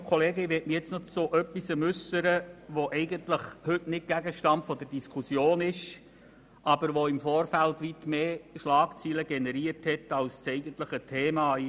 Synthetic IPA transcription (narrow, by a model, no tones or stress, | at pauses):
kʰɔleːɡɪʋɛtmijɛt͡snɔt͡soʔœpːisəmʉsəɾəʋoʔɛɪɡəntləχhʏtnɪt̚ɡ̥æɡəʃtɑntfɔd̪əɾd̥iskʰusjoːnɪʃ | ʔɑbəɾʋoɪmfoːɾfæltʋitmeːʃlɑːkt͡siːləɡɛnɛɾiərthɛtɑlst͡sɛɪɡəntləχətʰeːmɑː